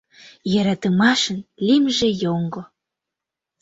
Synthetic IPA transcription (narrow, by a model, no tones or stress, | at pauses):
jəɾɑt̪əmɑʃənlimʒejoŋɡo